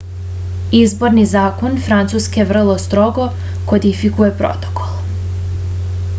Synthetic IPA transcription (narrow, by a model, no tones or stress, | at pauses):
izbo̞ɾnizaːkonfɾant̪suskeʋr̩lˠost̪ɾo̞ɡo̞ | ko̞d̪ifikujepɾo̰t̪o̥ko̥lˠ